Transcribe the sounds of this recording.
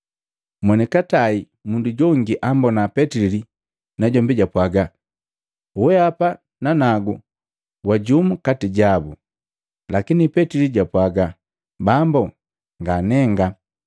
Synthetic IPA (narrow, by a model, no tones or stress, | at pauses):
mwɛnikatai | munduɟɔŋɡiʔambɔnapɛtili | naɟɔmbiɟapwaɡa | uwɛapa | nanaɡu | waɟumukatiɟabu | lakinipɛtiliɟapwaɡa | bambɔ | ŋɡanɛŋɡa